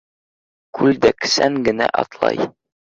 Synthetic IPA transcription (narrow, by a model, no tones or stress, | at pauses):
kʰʉld̪æksæŋɡɘ̆næʔɒ̰t̪lˠɑ̰j